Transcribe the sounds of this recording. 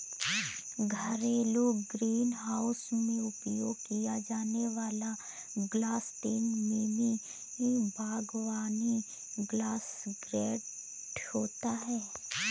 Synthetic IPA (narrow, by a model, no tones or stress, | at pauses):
ɡʱəɾeloːɡɡɾiːnɦaːʊsmẽʊpjoːɡ̚kijad͡ʒaːneʋaːla | ɡlaːst̪eːnmiːni | ɦibʱaːɡʋaːni | ɡlaːsɡɾɛː | ʈhoːt̪aɦɛː